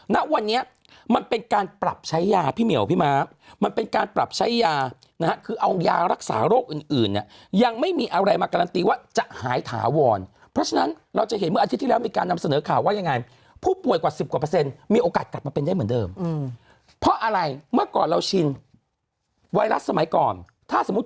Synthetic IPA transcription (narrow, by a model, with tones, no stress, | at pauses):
na˦˥ʔwa˧nːi˦˥ɐ | ma˧npe˧nkaː˧npɾa˨˩p̚t͡ɕʰa˦˥jːaː˧pʰiː˥˩mi˨˩˦wpʰiː˥˩maː˦˥ | ma˧npe˧nkaː˧npɾa˨˩p̚t͡ɕʰa˦˥jːaː˧ | na˦˥a˦˥kʰɯː˧ʔa˧wjaː˧ɾa˦˥k̚sa̰ː˩˦ɾoː˥˩k̚ʔɯː˨˩nʔɯː˨˩nːḭ˨˩əja˧ŋma˥˩jmiː˧ʔa˧ɾa˧jmaː˧ka˧la˧nt̪iː˧waː˥˩t͡ɕa˨˩ʔhaː˩˦jt̪ʰa̰ː˩˦wɔː˧n | pʰɾɔ˦˥t͡ɕʰa˧na˦˥n | ɾa˧wt͡ɕa˨˩ʔɦe˨˩˦nm˥˩a˧t̪ʰi˦˥t̪ʰːiː˥˧lɛ˦˥wmiː˧kaː˧nːa˧msa˧nɤː˩˦kʰaː˨˩waː˥˩ja˧ŋːa˧j | pʰuː˥˩pu˨˩əjkwaː˨˩si˨˩p̚kwa˨˩p̬ɤː˧se˧nmiː˧ʔoː˧kaː˨˩t̪̚kla˨˩p̚maː˧pe˧nda˥˩mɯ˩˦ndɤː˧m | pʰɾɔ˦˥ʔa˧ɾa˧jmɯ˥˩ɐkɔː˨˩nɾa˧wt͡ɕʰi˧n | waː˧jɾa˦˥ssa˧ma˩˦jkɔː˨˩n | t̪ʰaː˥˩so˩˦m˦˥t̪